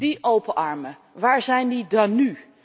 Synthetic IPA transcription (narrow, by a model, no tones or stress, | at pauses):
iʔowpəʔɑɹmə | ʋaːɹzɛjndidɑnːy